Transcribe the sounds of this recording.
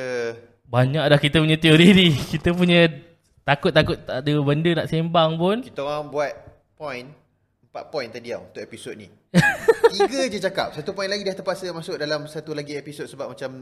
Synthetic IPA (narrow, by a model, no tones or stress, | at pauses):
ə | baɲãʔ̚lahkit̪əpuɲə̃t̪ioɾinikit̪əp̬uɲə̃ | t̪akʊt̪̚ːakʊt̪aadəbəndənaʔsembaŋpʊnki̥t̪əwaŋbuat̪̚ | pɔjn | əmpaʔ̪̚pɔjnt̪adiawunt̪ʊʔepisod̪̚ni | t̪iɡəd͡ʒət͡ʃaka̰p̚sat̪upɔinlaɡidiaht̪əpasəmasʊk̚dalamsat̪ulaɡiepisod̪̚səbap̚mat͡ʃam